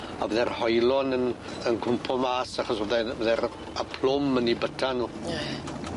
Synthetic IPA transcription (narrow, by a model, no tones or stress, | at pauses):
a̰vəðɛrhɔjlɔnən | ənkʰʊmpʰɔmaːsaχɔsoðɛvəðɛɾ | apʰlʊmənibətʰanuː